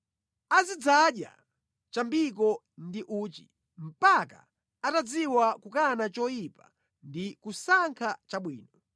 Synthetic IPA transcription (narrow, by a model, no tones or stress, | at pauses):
azid͡zaɗja̰ | t͡ʃambik̬ɔ | ndiʔuːt͡ʃi | m̩paka̰ | atad͡ziwakukanat͡ʃɔjipa̰ | ndikusaŋkʰat͡ʃaɓwiːnɔ